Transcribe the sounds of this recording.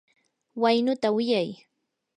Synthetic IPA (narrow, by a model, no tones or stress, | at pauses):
wajnʊt̪awɪjaj